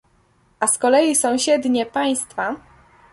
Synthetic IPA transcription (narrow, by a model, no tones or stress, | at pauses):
ʔaskɔlɛjisɔ̃w̃ɕɛd̪ɲɛpaj̃st̪fa